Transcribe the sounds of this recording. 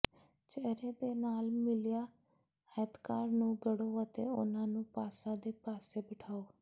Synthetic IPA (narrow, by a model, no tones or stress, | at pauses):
t͡ʃɛːɾeːd̪eːnaːlmɪlɪjaː | ɛːt̪kaːɾnũːɡəɽoːət̪ḛːʊ̰nãːnũːpaːsãːd̪eːpaːseːbɪʈʰaːoː